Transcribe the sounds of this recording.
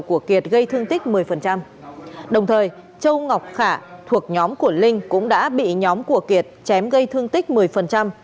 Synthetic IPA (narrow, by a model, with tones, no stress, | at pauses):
wku˧˩əki˨˩ət̚ɣə˧jt̪ʰɨ˧əŋt̪ï˦˥k̟̚mɨ˨˩əjfə˨˩nt͡ɕa˧m | ɗə˨˩wŋ͡mt̪ʰəː˨˩j | t͡ɕə˧wŋa˨˩wk͡p̚xaː˧˩t̪ʰu˨˩ək̚ɲɔ˨˦mku˧˩əlï˧ŋ̟kʊ̰˧˥ŋ͡mɗa̰ː˧˥ɓḭ˧˨ɲɔ˨˦mku˧˩əki˨˩ət̚t͡ɕɛ˨˦mɣə˧jt̪ʰɨ˧əŋt̪i˦˥k̟̚mɨ˨˩əjfə˨˩nt͡ɕa˧m